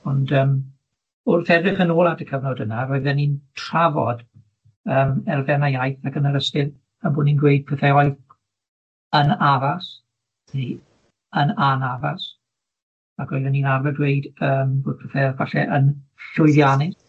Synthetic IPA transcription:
ɔndəːm | ʊrθɛdrɪχənoːlˠadəkʰəvnɔdənaɾoɨðɛnintʰr̥avɔ̰d̥ | əːmɛrvɛnajajθakənəɾəskɪð | aboːdninɡwejd̚pʰɛθɛɔɨð | ənavas | ni | ənanavas | aɡoɨðɛniːnarvɛɡwejdəːmboːd̚pʰɛθɛvaɬɛ̰ʔənɬʊɨðjanɪs

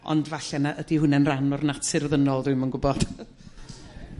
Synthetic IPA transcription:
ɔ̰ndvaɬɛnaʔədihʊnɛnranɔrnatʰɪrðənɔlˠðɨmənɡʊbɔd̥

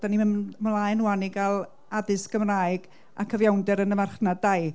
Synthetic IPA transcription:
d̥animlˠajnwaniɡalˠ | adɨskəmraːjɡ̥ | a̰kʰəvjawndɛɾənəmarχnadaj

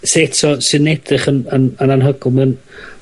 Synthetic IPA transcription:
setʰɔsɨnɛd̥rɪχənənənanɦəɡʊlˠmɛn

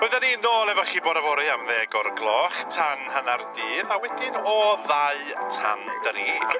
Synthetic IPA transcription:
b̥oɨðaninoːlˠɛvɔχiboːdavɔɾɨamðɛːɡɔrɡlˠɔːχtʰanhənardiːðawɛdɪnɔðaɨtʰa̰nd̥əɾi

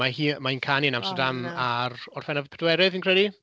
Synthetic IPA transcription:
ahiːmainkʰaniənamstərdamarɔr̥fɛnavpʰɛdwɛɾɨðinkr̥ɛdi

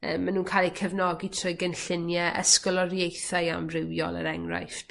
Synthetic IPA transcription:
əːmanuːnkʰaːlˠikʰəvnɔɡitʰrʊɨɡənɬɪnjɛʔə̰skɔlˠɔrjejθaja̰mrɪwjɔ̰lˠə̰ɾɛŋra̰jft

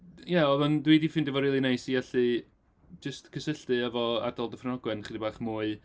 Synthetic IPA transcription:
jaɔðʊndwidifɪndəvɔɾiːlˠinejsijɛɬɨ | d͡ʒəstkʰəsəɬtɨəvɔa̰dɔlˠdəfnɔɡwɛnχədibaːχmuːɨ

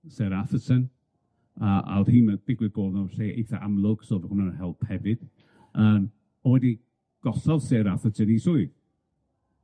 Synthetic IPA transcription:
sɛɾaθəsən | əʔa̰ʊðhiːnəd̥ɪɡwɪɡoːlˠnɔɬeːḛjθa̰ʔamlˠʊɡ̥soːvəhʊnaənhɛlˠb̥hɛvɨd̥ | əːm | ɔwɛdi | ɡ̥ɔɬɔvseːɾaθətʰənisʊɨ

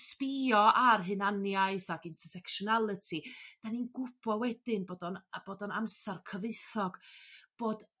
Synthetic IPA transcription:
spiɔʔarɦɨnanjaɨθaɡɪntʰərsɛkʃɔnalˠətʰid̥aninɡʊb̥ɔwɛdɪnboːdɔnb̥oːdɔnamsarkʰəvɨθɔɡ̥b̥oːd

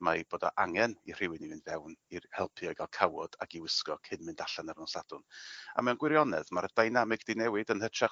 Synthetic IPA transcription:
maib̥oːdɔ̰ʔaŋɛnir̥ɪwɨnivɨnvɛwnihɛlˠpʰiɔjɡalˠkʰawɔd̥a̰kiwɪskɔkʰɨnmɨndaɬanaɾnɔsad̥ʊna̰mɛwnɡwɪɾjɔnɛðmaɾədajnamɪɡd̥ɪnɛwɨdənhət͡ʃʰa

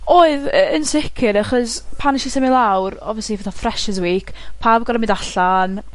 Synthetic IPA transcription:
oːɨðəənsɪkʰɪɾaχɔspʰaniʃisɛmɪlˠawrɔ̰vjəslivɛθafrɛʃəzwiːkʰpʰaːbɡɔɾəmɪdaɬan

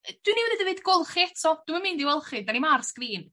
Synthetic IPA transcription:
d̥winiwɛðədəvɨdɡʊlˠχiɛtʰɔd̥umamɪndiwɛlˠχɨdanimarskriːn

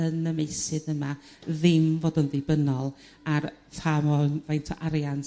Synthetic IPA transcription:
ənəmejsɨðəma | ðɪmvoːdʊnðɪbənɔlˠ | artʰamɔnvajntʰɔ̰ʔaɾjan

